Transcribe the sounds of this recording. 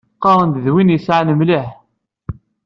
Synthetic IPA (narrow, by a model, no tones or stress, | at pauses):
qːɑɾˤənd̪ðwinjəsʕanəmliħ